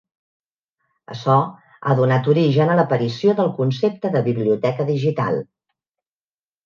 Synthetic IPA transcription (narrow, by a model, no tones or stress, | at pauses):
ə̰sɔ | a̰ðunat̪uɾiʒənələpəɾisioðəlˠkunsep̚t̪əðəβiβliut̪ɛkəðiʒit̪a̰lˠ